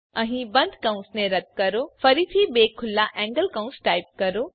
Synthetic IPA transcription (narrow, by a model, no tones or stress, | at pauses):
ɐ̃ɦĩbɐ̃nd̪ʱkãũnsnẽɾɐt̪̚kɐɾofɐɾit̪ʰibeːkʰʊlːaʔɛ̃ːŋɡəlkaũnsʈaːɪp̚kɐɾo